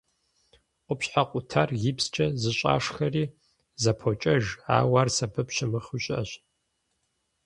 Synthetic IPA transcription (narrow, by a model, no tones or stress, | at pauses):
qʷʼʊpɕħaqʷʼʊtʰaːrɣipst͡ʃʰʼɐzɨɕʼa̰ːʂxɐriː | zɐpʰot͡ʃʼɐʒa̰ːwaːrsɐbɐpɕɪmɨχʊɕʼɐ̰ɕ